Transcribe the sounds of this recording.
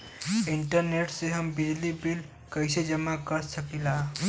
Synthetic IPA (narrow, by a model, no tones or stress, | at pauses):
ɪɳʈəɾneʈseɦəmbelibil | kəɪsed͡ʒəmakəɾsəkilaː